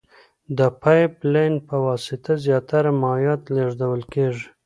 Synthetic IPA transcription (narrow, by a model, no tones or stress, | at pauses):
d̪əpʰɑjplejnpəwɑsɪt̪azjɑt̪aɾamɑjɑt̪leʐd̪awəlkeʐi̥